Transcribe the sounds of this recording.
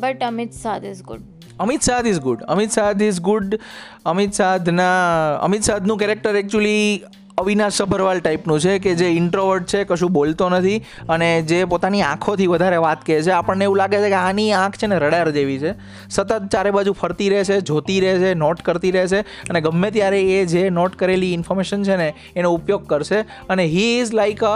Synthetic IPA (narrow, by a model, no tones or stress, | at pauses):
bəʈəmit̪saɪzɡʊ̰ɖ | əmit̪sad̪izɡʊɖə̰mit̪sad̪izɡʊɖ | əmit̪sad̪ʱnaə̰mit̪sad̪ʱnũkɛɾek̚ʈəɾɛk̚t͡ʃuəli | əʋinaʃəbʱəɾʋalʈaipnũt͡ʃʰeked͡ʒeɪɳʈɾoʋəɾɖ̚t͡ʃʰekəʃũbolt̪onət̪ʰi | əned͡ʒepot̪aniã̰kʰot̪ʰiʋəd̪ʱaɾeʋat̪kəjet͡ʃʰeapəɳneeʋũlaɡet͡ʃʰekeãniãkʰt͡ʃʰeneɾəɽaɾd͡ʒeʋit͡ʃʰe | sət̪ət̪̚t͡ʃaɾebad͡ʒupʰəɾt̪iɾəɦet͡ʃʰed͡ʒʱot̪iɾəɦet͡ʃʰenɔʈkəɾt̪iɾəɦet͡ʃʰe | əneɡəmːet̪̬jaɾeːd͡ʒenɔʈkəɾeliɪnfɔɾmeʃənt͡ʃʰeneː | noupjoɡ̚kəɾʃe | əneɦiːzlaikə